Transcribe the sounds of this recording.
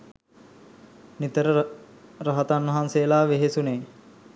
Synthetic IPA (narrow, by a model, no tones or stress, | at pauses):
nit̪əɾə | rɐɦət̪anʋɐɦansejəlaːʋeɦesuneː